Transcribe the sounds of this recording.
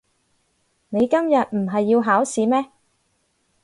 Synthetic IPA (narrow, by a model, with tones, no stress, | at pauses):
ne˨˧jkɐ˥mjɐ˨t̚m̩˨˩ɦɐ˨jːiː˧wɦaː˨˥wsiː˨˥mɛː˥